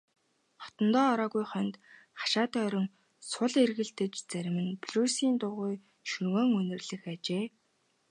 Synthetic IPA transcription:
χɔ̥t̪ə̆nt̪ɔːɾɔːɣujχœnʲt̪ | χḁʃaːt̪œːœɾʲɪ̆ŋ | sʊɮerɣɘ̆ɬt̪ɘ̆t͡ɕt͡sæɾ̆ʲmɘ̆npɮuːsiːnt̪ʊʁuj | ʃɵŋoːŋɵnɘ̆rɮɘ̆xat͡ɕeː

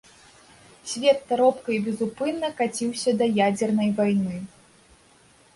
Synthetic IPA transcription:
sʲvʲɛt̪ːaɾɔpkɐjbʲɛzupɨnːɐkat͡sʲiwsʲɐd̪ɐjad͡zʲɛrnɐjvajnɨ

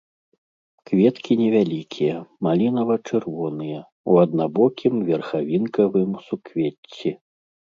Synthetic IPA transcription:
kvʲɛt̪kʲinʲɛvʲalʲikʲʰijɐmalʲinɐvɐt͡ʂɨrvɔnɨjɐ | uɐd̪nabɔkʲimvʲɛrxavʲinkɐvɨmsukvʲet͡sʲːi

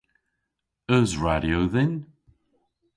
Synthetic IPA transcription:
əzɹaɾjowðɪn

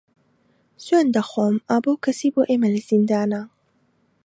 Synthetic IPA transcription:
sweːnd̪ɐxoːmʔaːboːwkʰɐsiːboːʔeːmɐlɐz̥ind̪aːna

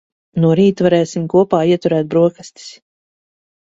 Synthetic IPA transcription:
nuɔɾiːt̪vaɾɛːsimkuɔpaːiɛt̪uɾæːt̪̚bɾuɔkast̪i̥s

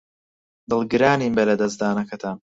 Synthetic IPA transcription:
d̪ɨlˠɡɨɾaːniːmbɐlɐd̪ɐsd̪aːnɐkɐt̪ʰa

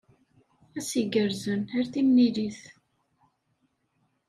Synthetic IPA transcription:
æsiɡəɾzənhæɾθimniliθ

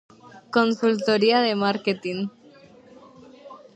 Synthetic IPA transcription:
konsult̪oɾiaðemaɾket̪iŋ

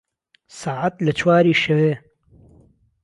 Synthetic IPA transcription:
saːʕat̪lɐt͡ʃʰwaːɾiːʃɐweː

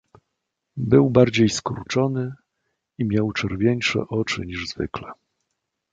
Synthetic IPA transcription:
bɘwbaɾd͡ʑejskuɾt͡ʂɔnɘ | imʲjawt͡ʂɛɾvʲjeɲʂɛ̰ʔɔt͡ʂɘ̰ɲiʐzvɘ̰klɛ

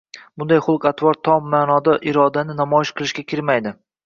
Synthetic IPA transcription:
b̥ʊnd̪ajχʊlˠqat̪vɒɾt̪ʰːɒmːaːnɒd̪aʔɪɾɒd̪anɪnamɒjɪʃqʰɨlˠɪʃkʲakʲɪɾmajd̪ɪ

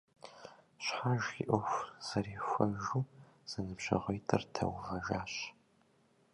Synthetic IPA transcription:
ɕħaʒḭʔʷʊfz̥ɐɾiːxʷɐʒuː | z̥ɐnɨbʒɐ̰ʁʷɐjtʰɨrtʰɐ̰wʁɐʒaːɕ

